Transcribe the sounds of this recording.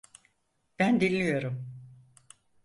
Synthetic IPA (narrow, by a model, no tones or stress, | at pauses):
b̥ænd̪inʲːijo̞ɾum